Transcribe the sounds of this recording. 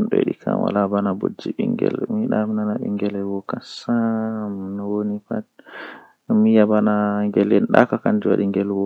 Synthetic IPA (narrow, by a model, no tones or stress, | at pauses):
nɗɔ̰ɗikʰa̰wa̰labanabod͡ʒːiɓiŋɡɛ̰lmiɗaminanaɓiŋɡɛlɛwɔkasamnɔwonifat | mijabanaŋɡɛlɛnɗakakandiwaɗiŋɡɛlwɔ